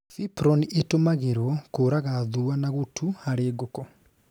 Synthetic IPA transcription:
sipɾɔniʔetomaɣeɾwɔkoːɾaɣaðuanaɣutʰuaɾeɡokɔ

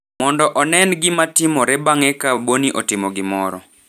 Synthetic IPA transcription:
mɔndɔʔɔnɛnɡɪmatɪmɔɾɛbaŋɛkaboniʔɔtɪmɔɡɪmɔɾɔ̰

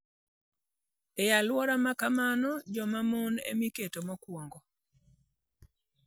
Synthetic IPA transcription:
ejalwɔɾamakamanɔd͡ʒɔmamonḛmiketomakwoŋɡo

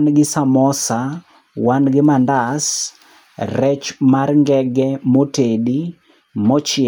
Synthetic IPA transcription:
nɡɪsamɔsa | wanɡɪmandas | rɛt͡ʃmarŋɡɛɡɛmotedi | mɔt͡ʃɪ

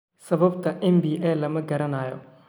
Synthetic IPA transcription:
sɐβɐbt̪ʰɐʔɛmbiːʔɛːlɐmɐɡɐɾɐnaːjɔ

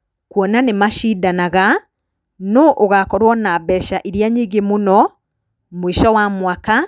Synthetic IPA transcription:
kwɔnanemaʃidanaɣa | noʔoɣakɔɾwɔnabɛʃaʔiɾjaɲiːɡemonɔ | mwiʃɔwamwaka

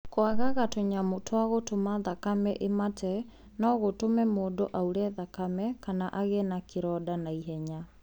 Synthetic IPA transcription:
koaɣaɣatoɲamotʰwaɣotomaðakamɛʔematɛ | nɔɣotomɛmoːdoʔauɾɛðakamɛkanaʔaɣɛnakʰeɾɔdanaiɦɛɲa

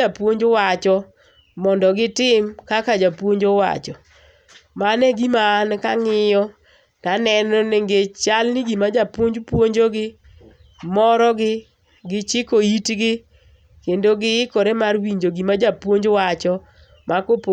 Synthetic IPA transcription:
apwoɲd͡ʒowat͡ʃɔ | mɔndɔɡɪtɪmkakad͡ʒapwoɲd͡ʒowa̰t͡ʃɔ | manɛɡimaːnkaŋɪjɔ | kanɛnɔneŋɡet͡ʃalnɪɡimad͡ʒapwoɲd͡ʒpwoɲd͡ʒoɡɪ | mɔɾɔɡɪ | ɡɪt͡ʃɪkoitɡɪ | kendoɡɪɪkɔɾemarwiɲd͡ʒoɡimad͡ʒapwoɲd͡ʒwat͡ʃɔ | makop

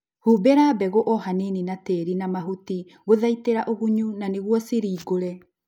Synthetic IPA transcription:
huːbeɾaːbɛɣoʔɔɦaneninateːɾinamaɦuti | ɣoðaiteɾaʔoɣuɲunaneɣwɔseɾiːɡoɾɛ

